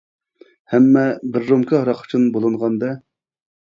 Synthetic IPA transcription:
hɛmːɛbɪɾːomkʰɪɦɑɾɑqʊ̥t͡ʃʰunbolˠɨɴʁɑnd̪ɛ

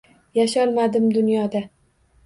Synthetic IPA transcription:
jaʃɒlˠmad̪ɪmd̪ʊnjɒd̪a

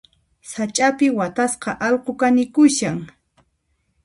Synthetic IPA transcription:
sat͡ʃʼapɪwat̪asqɑʔɑlqokanɪkʊʃaŋ

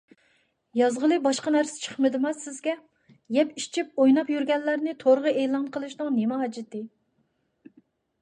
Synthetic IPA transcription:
jɑzʁəlˠɨbɑʃqɑnæɾsɪ̥t͡ʃʰə̥χmɨd̪ɨmɑsɪzɡʲɛ | jɛpit͡ʃʰip̚ojnɑpjyɾɡʲɛnlːæɾnɪt̪ʰoɾʁəeːlˠɑnqʰəlˠɨʃnɨŋnemɛɦɑd͡ʒɪt̪ɨ

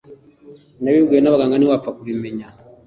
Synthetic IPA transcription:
naβiɡenaβaɡaŋɡaniwafakuβimɛɲa

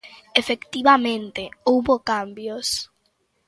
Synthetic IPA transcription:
efekt̪iβamẽnt̪eowβokambjos

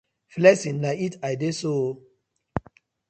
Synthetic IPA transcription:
flɛsĩnlaitajdeso

